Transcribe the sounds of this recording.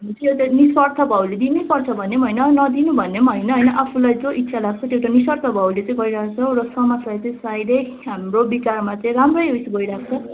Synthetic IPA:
ɦmet͡sʌjot̪aniswʌrt̪ʰʌbʱʌwled̪inipʌrt͡sʰʌbʱʌnemɦʌjnʌnʌd̪inubʱʌnːemɦʌjnʌɦʌjnʌʔapʰulajd͡zoʔit̪ːsʰalaɡ̚t͡sʰʌt̪ewʈaniswʌrt̪ʰʌbʱʌwlet͡sʌ̃ĩɡʌiɾakt͡sʰʌɾʌsʌmʌt͡slajt͡sʌĩsajɾej | ɦamrobikarmat͡sʌĩramrʌjojsʰʌɡʌjɾakʰt͡sʰʌ

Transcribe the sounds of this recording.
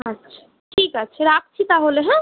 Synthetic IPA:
ətːʃʰ | ʈʰikət͡ʃʰɾakʰt͡ʃʰit̪aɦoleɦɛ̃

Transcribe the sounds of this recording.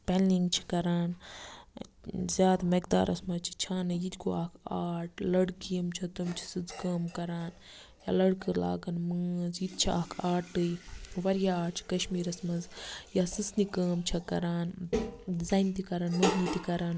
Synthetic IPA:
peniŋɡt͡ʃʰi̥kɐɾaːn | zʲjaːd̪mɐkd̪a̰ːɾʔɐ̰smɐzt͡ʃʰi̥t͡ʃʰaːnɨjit̪ɡoaːkʰaːʈlɐɽkijɐmt͡ʃʰɐt̪umt͡ʃʰi̥sɨd͡zkɐːmkɐɾaːn | jaːlɐɽkɨɾla̰ːɡɐnməːzjit̪̚t͡ʃʰiaːkʰaːʈɨjʋɐɾjaaːʈt͡ʃʰi̥kɐʃmiːɾɐsmɐzjasɨt͡snikɐːmt͡ʃʰɐkɐ̰ɾaːndizaːjnt̪ikɐɾaːnmɐznit̪ikɐɾaːn

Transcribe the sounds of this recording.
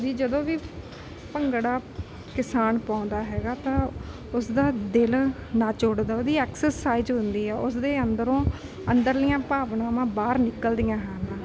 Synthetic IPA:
d̪iːd͡ʒəd̪õːʋiː | pəŋɡɽaː | kɪsaːnpãːʊnd̪aːɦɛːɡaːt̪ãː | ʊsd̪aːd̪ɪlnãːt͡ʃoːɽd̪aːoːd̪iːɛːksəsaːɪzɦʊnd̪iːɦɛːʔʊsd̪eːənd̪əɾõː | ənd̪əɾlɪjãːpaːʋnãːmãːbaːɾnɪkəld̪ɪjãːɦɛːnãː

